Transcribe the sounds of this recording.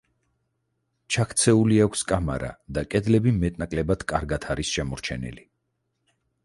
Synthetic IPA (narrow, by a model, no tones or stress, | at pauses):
t͡ʃʰakʰt̪sʰɛuliakʷʰskʼama̰ɾa̰d̪akʼɛd̪lɛbimɛt̪ʼnakʼlɛbat̪ʰkʼaɾɡat̪ʰaɾisʃɛmɔɾt͡ʃʰɛ̰nḭli